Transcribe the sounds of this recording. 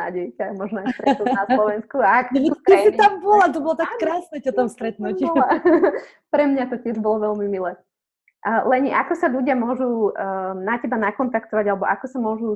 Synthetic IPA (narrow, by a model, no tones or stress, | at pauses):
a̰ːɟɛjcamɔʒnɔast̪ɾɛt̪nunaslɔʋɛnskuaakɛkasit̪ambɔlat̪ɔbɔlɔt̪akːɾaːsnɛtɔt̪ɔmst̪ɾɛt̪̚nucila | pɾɛmɲat̪ɔcɪɛʒbɔlɔʋɛlmimilɛː | lɛɲʔakɔsaʎuɟɪamʊɔʒunacɛbanakɔnt̪akt̪ɔʋaɟalɛbɔʔakɔsamʊɔʒu